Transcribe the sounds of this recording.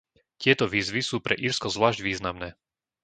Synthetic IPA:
cɪɛt̪ɔʋiːzʋisuːpɾɛ̰ʔiɾskɔzʋlaːʒɟʋiːznamnɛː

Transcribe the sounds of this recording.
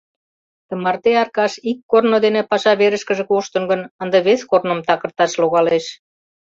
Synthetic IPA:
t̪ə̆mɑrt̪eɑrkɑʃikːornod̪enepɑʃɑβeɾəʃkəʒĕkuʃt̪ə̆nɡə̆nənd̪əβeskornə̆mt̪ɑkə̆rt̪ɑʃloɣɑleʃ

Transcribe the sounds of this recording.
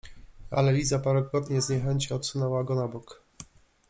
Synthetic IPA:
a̰lɛlʲizapaɾɛkɾɔt̪ɲɛzɲɛxɛɲt͡ɕiɔt̪sunɛwaɡɔnabɔk

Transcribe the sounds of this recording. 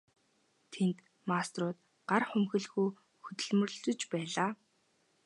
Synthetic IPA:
t̪ʰent̪ | mast̪rʊːt̪ | ɢ̥arχɵmxɘ̆ɮxuj | xɵt̪ɵ̆ɮmɵ̆r̆ɮɵ̆t͡ɕpæːɮaː

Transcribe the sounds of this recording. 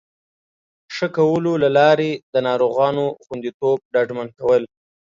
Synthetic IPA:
ʂəkawəlolalɑɾed̪ənɑɾoɣɑnoxund̪it̪ob̚ɖɑɖmankawəl

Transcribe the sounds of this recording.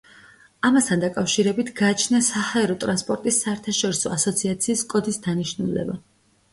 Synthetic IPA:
amast̪ʰand̪akʼafʃiɾɛbit̪ʰɡaːt͡ʃʰnasahaɛɾɔt̪ʼɾanspʼɔɾt̪ʼisːaɛɾt̪ʰaʃɔɾisɔasɔt̪sʰiat̪sʰiːskʼɔd̪isd̪aniʃnulɛ̰ba̰

